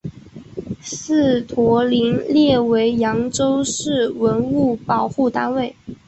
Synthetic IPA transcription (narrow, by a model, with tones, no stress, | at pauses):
s̩˥˩t̪ʰwɔ˧˥li˧˥nljɛ˥˩we˧˥ɪjɑ˧˥ŋʈ͡ʂo˥ʊʂɻ̩˥˩wə˧˥nu˥˩pɑ˨˩ʊxu˥˩t̪a˥nwe˥˩ɪ